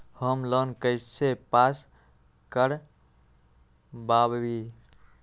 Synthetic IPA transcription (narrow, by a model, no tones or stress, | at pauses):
həmlənkəɪst͡ʃʰepas | kəɾ | babbi